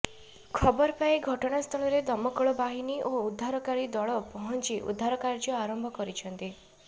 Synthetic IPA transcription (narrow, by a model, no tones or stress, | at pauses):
kʰɔbɔɾɔpaĩɡʱɔʈɔɽ̃ast̪ʰɔɭ̃ɔɾed̪ɔmɔkɔɭɔbaɦiniʔoud̪ʱːaɾɔkaɾid̪ɔɭɔpɔɦɔnt͡ʃiʔṵd̪ʱaɾɔkaɾd͡ʒɔaɾɔmbʱɔkɔɾit͡ʃʰɔnt̪i